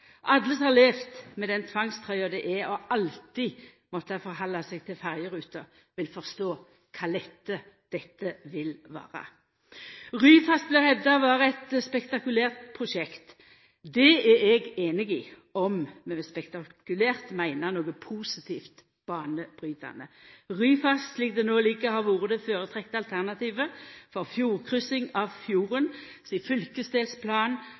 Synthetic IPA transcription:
ʔɑd̪ləshɑʁleːft̪mɛd̪ɛnt̪ʰʋɑŋst̪ʰʁœʏəd̪ɛʔɛɔɑlt̪ɪ | mɔt̪ːəfɔʁɦɑlːɑsɛɡ̚t̪ʰɪlfæʁjəɾʉːt̪ə | ʋɪlfɔʁst̪oː | kʰɑːd̪ɛt̪ːə | d̪̥ɛt̪ːəʋɪlʋɑ̰ːʁɑ̰ | ʁyːfɑst̪̚blɪʁhɛvd̪ɑʋɑːɾəɛt̪spɛkt̪ɑkʉlæːʁt̪̚pʰʁʊʃɛkt̪ | d̪ɛæɛɡeːnɪɡɪ | ɔmmɛɛspɛkt̪ɑkʉlæːʁt̪mæɪnəʁnoːɡəpʰusɪt̪ʰiːft̪ | b̥ɑːnəb̥ʁyːt̪ɑ̰nəʁyːfɑssliːk̚d̪ɛnoːliːkəhɑʁʋuːʁəd̪əføːʁət̪ʰʁɛk̚t̪əɑlt̪ʰæʁnɑt̪ʰiːʋəfɔʁfjuːʁkʰʁʏsɪŋɑʋfjuːʁən | siːfʏlkəsd̪eːlspʰlɑːn

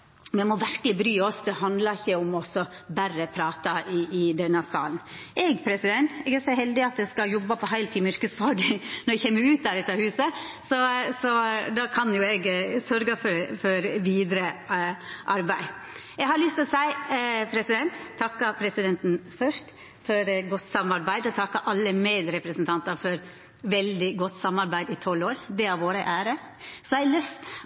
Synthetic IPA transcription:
mɛmɔʋæɾkəlɪbɾyːɔsd̪ɛɦɑnd̪lɑɪçːəʊmɔsːɔbærəpʰɾɑːt̪ɑɪːd̪ɛnːəsɑ̰ːlnʔɛɡpʰɾɛsɪd̪ɛnt̪ɛɡæsɔɦɛld̪ɪɑt̪̚d̪ɛskɑjɔbːɑpʰɔɦæɪlt̪ʰiːmʏɾkəsfɑːɡənɔɾɛçemːəɾʉːt̪̚d̪æɾɛt̪ːɑhʉːsəsɔsɔd̪ɑkʰɑnjʊɛɡsœɾɡɑfɔɾfɔɾʋiːd̪ɾə | ʔɑɾbæɪ | ɛɡhɑɾlʏst̪ɪlsæɪpʰɾɛsɪd̪ɛnt̪ʰːɑkːɑpʰɾɛsɪd̪ɛnt̪n̩fœʂt | fɔɾɡɔt̪ːsɑmɑɾbæɪd̪əɔt̪ʰɑkːɑʔɑlːəmeːd̪ɾɛpɾəsnt̪ʰɑnt̪ɑɾfɔɾ | ʋɛld̪ɪɡɔt̪ːsɑmːɑɾbæɪd̪ɪt̪ʰɔlːoːɾd̪ɛɑʋoːɾəʔæːɾə | sɔæɪlœst̪

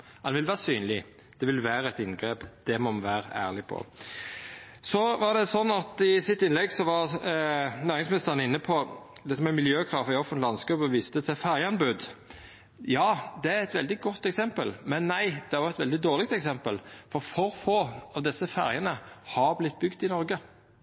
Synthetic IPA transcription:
ɑnʋɪlʋæːʁəsyːnlɪ | d̪̥ɛʋɪlʋæːɾəɛt̪ɪnɡɾeːpd̪̥ɛmɔʋæːɾəæ̰ːʁlɪpʰɔ̰ | sɔʋɑʁd̪ɛsɔnːɑt̪ɪsɪt̪ɪnlɛɡsɔʋɑɾ | næːɾɪŋsmɪnɪst̪əʁənɪnːəpʰɔd̪ɛt̪ːəmɛmɪljøːkʰʁɑfɪɔfənt̪lɑnsɡʉpɔʋiːst̪ət̪ʰɪfæʁjəɑnbʉd̪ | jɑːd̪ɛæɾɛt̪ʋɛld̪ɪɡɔt̪ːɛksɛmpəlmɛnːæɪd̪̥ɛæɾjʊɛt̪ʋɛld̪ɪd̪oːʁlɪɡ̚t̪ɛksɛmpəlfɔɾfɔɾfoːɑʋd̪ɪsːəfæɾjənəhɑɾblɪt̪̚ːbʏɡd̪ɪnɔɾɡə

